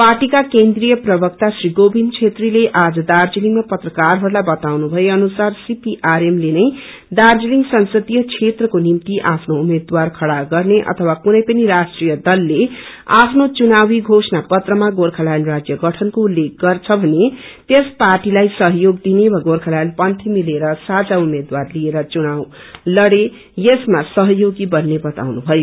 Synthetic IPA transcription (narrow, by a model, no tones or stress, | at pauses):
paʈikakend̪rijʌprʌbʌk̚t̪asriɡobʱint͡sʰet̪rileʔad͡zʌd̪ard͡ziliŋmapʌt̪rʌkarɦʌɾulajbʌt̪awnubʱʌeʌnusarsipiʔaɾemlenʌj | d̪ard͡ziliŋɡsʌnsʌt̪ijʌt͡sʰet̪rʌkonimt̪iʔapʰnoumed̪warkʰʌɽaɡʌrneʔʌ̰t̪ʰʌwakunʌjpʌniɾasʈrijʌd̪ʌlːe | apʰnot͡sunawiɡʱosnapʌt̪rʌmaɡorkʰalajanrad͡zjʌɡʌʈʰʌnkoulːek̚ɡʌrt͡sʰʌbʱʌnet̪esparʈilajsʌɦjoɡd̪inewaɡorkʰalajanpʌnt̪ʰimileɾʌsad͡zaumed̪warlieɾʌt͡sunaw | lʌɽe | jesmasʌɦʌjoɡibʌnːebʌt̪a̰wnubʱʌjo